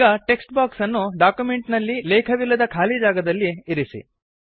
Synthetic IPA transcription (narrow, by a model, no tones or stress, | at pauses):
ɡɐʈe̞ksʈbaːksɐnːuɖaːkjume̞ɳʈnɐlːilɛːkʰɐʋilːɐd̪ɐkʰaːlid͡ʒaːɡɐd̪ɐlːiiɾisḭ